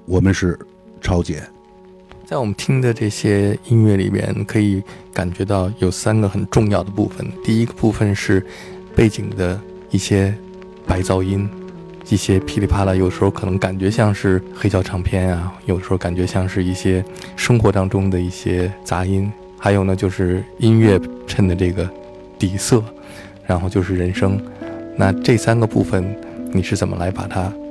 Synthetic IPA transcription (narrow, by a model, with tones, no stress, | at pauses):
wɔ˨˩mə˦nʂɻ̩˥˩ | ʈ͡ʂʰɑ˥ʊt͡ɕjɛ̰˨˥˦ | t͡sa˥˩ɪwɔ˨˩mə˦nt̪ʰi˥ŋd̪ə˨ʈ͡ʂɤ˥˩ɕjɛ˥i˥nɥɛ˥˩lḭ˨˩mjɛ̰˥˧˩nkʰɤ˧˥i˧˥ka˨˩nt͡ɕɥɛ˧˥t̪ɑ˥˩ʊjo˨˩ʊsa˥nɡə˨xə˨˩nʈ͡ʂʊ˥˧ŋjɑ˥˩ʊd̪ə˩pu˥˩fə̰˨˩nt̪i˥˩i˥ɡə˧pu˥˩fə˨nʂɻ̩˥˧ | pe˥˩ɪt͡ɕi˨˩ŋd̪ə˦ | i˥˩ɕjɛ˥ | pa˧˥ɪt͡sɑ˥˧ʊi˥n | i˥˩ɕjɛ˥pʰi˧˥li˧˩pʰa˥lə˨˩jd̪ə˧ʂɻ̩˧˥o˧ʊkʰɤ˨˩nɤ˧˥ŋka˨˩nt͡ɕɥɛ˧˥ɕjɑ˥˧ŋʂɻ̩˥˩xe˥ɪt͡ɕjɑ˥˧ʊʈ͡ʂʰɑ˧˥ŋpʰjɛ˥˩na˩jo˨˩də˩ʂɻ̩˧˥˧ka˨˩nt͡ɕɥɛ˧˥ɕjɑ˥˧ŋʂɻ̩˥˧i˥˩ɕjɛ˥ | ʂɤ˥ŋxwɔ˧˥t̪ɑ˥ŋʈ͡ʂʊ˥ŋd̪ə˨i˥˩ɕjɛ˥t͡sa̰˧˥i˥n | xa˧˥ɪjo˨˩ʊnə˦t͡ɕjo˥˧ʊʂɻ̩˥˩i˥nɥɛ˥˧ʈ͡ʂʰə˥˩nd̪ə˩ʈ͡ʂɤ˥˩ɡə˩ | t̪i˨˩sɤ˥˩ | ɻa˧˥nxo˥˧ʊt͡ɕjo˥˧ʊʂɻ̩˥˩ɻə˧˥nʂɤ˥ŋna˥˧ʈ͡ʂɤ˥˩sa˥nɡə˨pṵ˥˩fə˩nni˨˩ʂɻ̩˥˩t͡sə˨˩nmʔə̰˦la˧˥ɪpa̰˨˩t̪ʰa˥